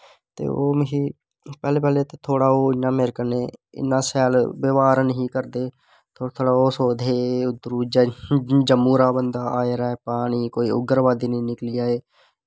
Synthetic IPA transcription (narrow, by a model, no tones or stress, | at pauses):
t̪ḛːo̰ːmɦi | pɛːleːpɛːlet̪et̪ʰoːɽaːoːɪnãːmeɾkəneːɪ̰naːsɛːlʋəʋaːɾnəɦĩːkəɾd̪eː | t̪ʰoːt̪ʰoːɽaːoːsoːd̪ʱeːʊd̪ɾuːd͡ʒd͡ʒəmːuːɾaːbənd̪aːaːeɾaːepaːniːkoːiʊ̰ɡəɾʋaːd̪iːnəĩːnɪkliːaːeː